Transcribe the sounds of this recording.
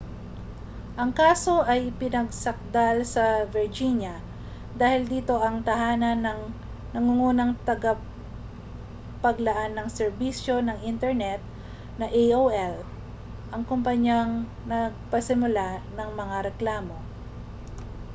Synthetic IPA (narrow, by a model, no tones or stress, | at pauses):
ʔɐŋkaːso̞ʔɐjpɪnɐɡ̚sɐk̚d̪alsɐvɪɹd͡ʒiɲjɐ | d̪aːhɪld̪iːt̪o̞ʔɐŋt̪ɐhaːnɐnɐŋ | nɐŋuŋuːnɐŋt̪ɐɡa | pɐɡlɐʔanːɐŋsɛɹbisjo̞nɐŋʔint̪ɛɹnɛt̪̚ | nɐʔejowʔɛl | ʔɐŋkompɐɲjaŋ | nɐɡ̚pɐsɪmʊlanɐŋmɐŋaɾɛklaːmo̞